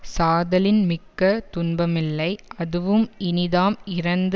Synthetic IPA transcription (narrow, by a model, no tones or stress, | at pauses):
saːðɐlɪnmɪkːɐt̪ʊnbɐmɪlːɐɪʔɐðɯʋɯmɪnɪðaːmɪrɐnd̪